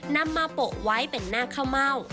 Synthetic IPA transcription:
na˧mːaː˧po˨˩ʔwa˦˥jpe˧nːaː˥˩kʰa˥˩wma˥˩w

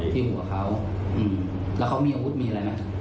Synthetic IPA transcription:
t̪ʰiː˥˩ɦu˨˩˦ɐkʰa˦˥w | ʔɯː˧˩m | lɛ˦˥wkʰa˦˥wmiː˧ʔaː˧wu˦˥t̪̚miː˧a˧ɾa˧jma˦˥

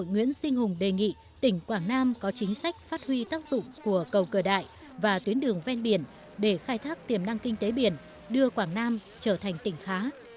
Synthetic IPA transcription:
o̰˧˨jŋwḭ˧˥ənsï˧ŋ̟hʊ˨˩ŋ͡mɗe˨˩ŋḭ˧˨ | t̪ï˧˩ŋ̟kwaː˧˩ŋnaː˧mkɔ˨˦t͡ɕï˨˦ŋ̟sa˦˥jk̟̚faː˦˥t̚hwi˧t̪aː˦˥k̚zʊ̰˧˨ŋ͡mku˧˩əkə˨˩wkəː˧˩ɗa̰ː˧˨j | vaː˨˩t̪wi˨˦ənɗɨ˨˩əŋvɛ˧nɓi˧˩ən | ɗe˧˩xaː˧jt̪ʰaː˦˥k̚t̪i˨˩əmna˧ŋkï˧ŋ̟t̪e˨˦ɓi˧˩ən | ɗɨ˧əkwaː˧˩ŋnaː˧m | t͡ɕəː˧˩t̪ʰa˨˩jŋ̟t̪ï˧˩ŋ̟xaː˨˦

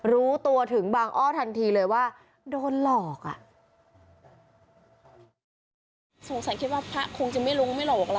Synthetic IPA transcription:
ɾuː˦˥t̪u˧ɐt̪ʰɯ˩˦ŋbaː˧ŋʔɔː˥˩t̪ʰa˧nt̪ʰiː˧lɤː˧jwaː˥˩ | doː˧nlɔː˨˩k̚ʔa̰˨˩ʔ | so˨˩˦ŋsa˨˦nkʰi˦˥t̪̚waː˥˩pʰa˦˥ʔkʰo˧ŋt͡ɕa˨˩ma˥˩jlo˦˥ŋma˥˩jlɔː˨˩k̚la˦

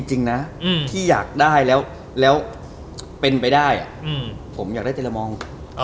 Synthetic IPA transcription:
ŋt͡ɕi˧ŋna˦˥˩t̪ʰiː˥˩jaː˨˩k̚daː˥˩jlɛː˦˥w | lɛː˦˥w | pe˧npa˧jdaː˥˩jʔa̰˨˩ʔpʰo˩˦mjaː˨˩da˥˩t̪e˩la˧mɔː˧ŋ

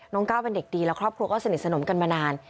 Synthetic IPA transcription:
nɔ˦˥ŋkaː˥˩wpe˧nde˨˩k̚diː˧lɛː˦˥wkʰɾɔː˥˩kʰɾu˧əkɔː˥˩sa˧ni˨˩t̪̚sa˧no˩˦mka˧nmaː˧naː˧n

